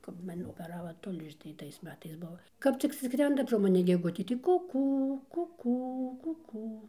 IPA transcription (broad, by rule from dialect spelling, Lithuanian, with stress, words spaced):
kɐp ˈmɐn oːpʲɛˈrɑːʋɐ ˈtʊlʲʒʲiː tɐɪ ˈtɐɪs ˈmʲæːtɐɪs ˈbʊʋoː ˈkɐp t͡sʲɪk ˈskrʲɛndɐ proː mɐˈnʲɪ ɡʲɛˈɡʊtʲeː tɐɪ ˈkʊkuː ˈkʊkuː ˈkʊkuː